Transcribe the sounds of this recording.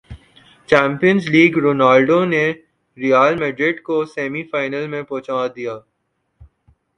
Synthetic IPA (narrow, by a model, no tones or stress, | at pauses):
t͡ʃɛ̃ːmpijənzliːɡɾoːnaːlɖone | ɾijaːlmeːɖɾɪɖkosɛːmifaːɪnəlmẽpɔ̃ːt͡ʃaːd̪ijaː